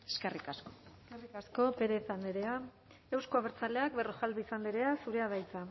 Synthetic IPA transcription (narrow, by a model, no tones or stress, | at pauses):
eskerikaskoskerikasko̞pe̞ɾeθand̪eɾea | e̞wskoaβeɾt͡sale̞akberoxald̪iisand̪eɾe̞asuɾe̞að̞ajt͡sa